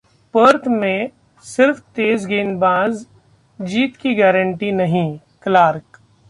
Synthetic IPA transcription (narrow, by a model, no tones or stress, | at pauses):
pəːɾt̪mẽ | sɪɾft̪eːzɡeːnbãːz | d͡ʒiːt̪kiɡɛːɾə̃ɳʈinɐɦĩ | klaːɾk